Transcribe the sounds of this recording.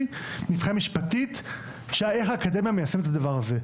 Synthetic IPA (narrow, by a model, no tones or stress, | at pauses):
nifχiamiʃpatit̪ | ʃeeχaːkademijamejasemet̪̬ad̪avaʁaze